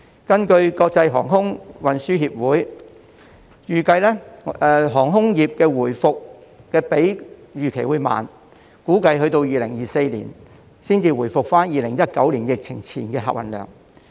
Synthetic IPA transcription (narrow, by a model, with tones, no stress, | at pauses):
kɐ˥nkɵ˧ɥkɔː˧k̚t͡sɐ˧jɦɔ̰ː˨˩ŋɦʊ˥ŋwɐ˨nsyː˥ɦiː˧p̚wuː˨˥j | jyː˨˩kɐ˧jlɛː˥ɛ˧ɦɔː˨˩ŋɦʊ˥ŋjiː˨p̚kɛː˧wuː˨˩jfʊ˨k̚kːɛː˧pe˨˥jjyː˨kʰe˨˩jwuː˨˥jma̰ː˨n | kuː˨˥kɐ˧jɦɵ˧ɥt̪o˧wjiː˨lɪ˨˩ŋjiː˨se˧jlḭː˨˩n | siː˥nt͡siː˧wuː˨˩jfʊ˨k̚faː˥njiː˨lɪ˨˩ŋjɐ˥t̚kɐ˨˥wliː˨˩njɪ˨k̚t͡sʰɪ̰˨˩ŋt͡sʰḭː˨˩nkɛː˧ɦa̰ː˨k̚wɐ̰˨nlœ̰ː˨˩ŋ